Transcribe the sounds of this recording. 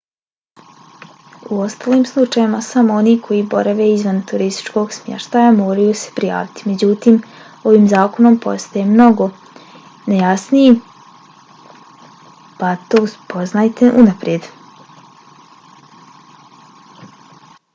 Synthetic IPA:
uo̞st̪aːliːmslˠut͡ʃajimasamoo̞niːkʰo̞jibo̞̰ɾaʋe̞izʋant̪uɾist̪i̥t͡ʃko̞ɡsmjḛʃt̪ajamo̞ːɾajuse̥pɾija̰ːʋit̪i̥me̞d͡ʑut̪iːm | o̞ʋiːmzaːko̞no̞mpo̞̰st̪ajemno̞ɡo̞ | nejasniji | pat̪o̞ːuspo̞znajt̪e̞ʔunapɾje̞d̪

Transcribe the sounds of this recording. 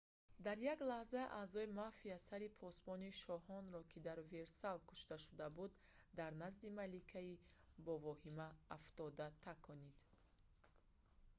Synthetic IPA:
d̪aɾjaɡlahzaʔa̰zɔimafiasaɾipʰɔsbɔniʃɔhɔnɾɔkʰid̪aɾve̞ɾsalkʰu̥ʃt̪aʃud̪abud̪ː | aɾnazd̪imalikʰai | bɔvɔhimaːft̪ɔd̪at̪ʰakʰɔnid̪̥

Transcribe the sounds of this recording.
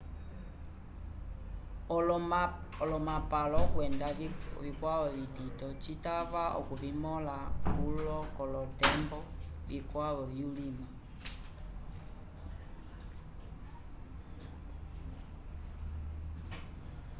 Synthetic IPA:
ɔlɔmapalɔkwɛndaβikwaβɔβititɔt͡ʃitaβaʔɔ̰kuβimɔlakkulɔkɔlɔtɛmbɔvikwaβɔβjulima

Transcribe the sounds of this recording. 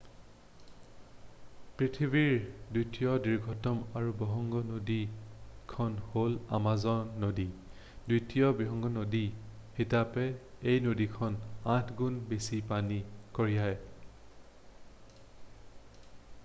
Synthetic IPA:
pɹitʰibiɹdujtijɔdiɹɡʱɔtɔmaɹubɔɦɔŋɡɔnodikʰɔnhola̰mazɔɹnodi | dutijɔbiɦɔŋɡɔnodixitapɛejnodikʰɔnãtʰɡunbesipanikoɹijaj

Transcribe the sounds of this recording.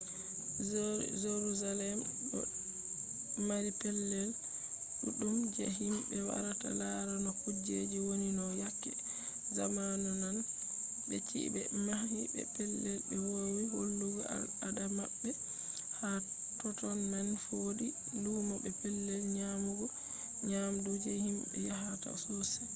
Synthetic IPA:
zeɾuzalɛmɗɔ̰ | maɾipɛlːɛl | ɗuɗumd͡ʒɛɦimbɛwa̰ɾata̰laɾanɔkud͡ʒed͡ʒiwoninɔjakːɛ | zamanunan | bɛt͡ʃḭbɛ̰mahibɛ̰pɛlːɛlbɛwowiholːuɡɔadamaɓːɛ | ha | tɔtɔnːanfodi | luːmɔbɛpɛlːɛlɲamuɡɔ | ɲamdud͡ʒɛhimbɛ̰jaɦata̰sosi̥

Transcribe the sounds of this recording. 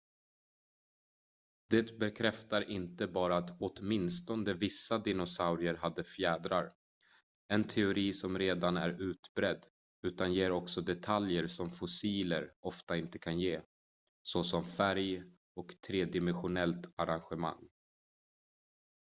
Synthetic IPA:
d̪̥ɛt̪bɛkʰɾɛft̪aɾʔɪnt̪əbɑːɾaːt̪oːt̪mɪnst̪ɔnd̪əvɪsːad̪ɪnʊsaʊɾɪəɾɦad̪ːəfjæːd̪ɾa̰ɾ | ɛnt̪ʰɛʊɾiːsɔmɾeːd̪anæ̰ɾʉ̟ːt̪bɾɛd̪ː | ʉ̟ːt̪anjeːɾɔksɔd̪ɛt̪ʰaljəɾsɔmfʊsiːləɾʔɔft̪aɪnt̪ə̥kʰanjeː | sɔsɔmfæɾj | ɔkt̪ʰɾeːd̪ɪmɛnɧʊnɛlt̪aɾanɧɛma̰ŋː

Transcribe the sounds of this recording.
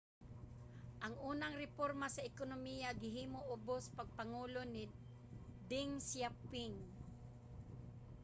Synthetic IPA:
ʔaŋʔuːnaŋɾɪpoɾmasaɪkonomijaɡɪɦiːmoʔʊbospaɡ̚paŋuːlonɪ | d̪ɪŋsjapɪŋ

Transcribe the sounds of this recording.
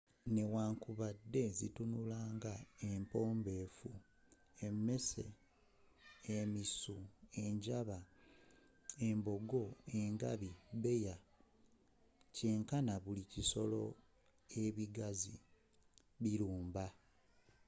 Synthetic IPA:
ne̞waːŋkuβadːe̞zḭtunulaːŋɡae̞mpo̞ːmbeːfu | e̞mːe̞se̞̰ | misue̞ɲɟaβa | e̞mbo̞ɡo̞e̞ŋɡa̰βiβe̞ja | ceːŋkanaβuliciso̞lo̞̰ | e̞βiɡazi | βiɾuːmba

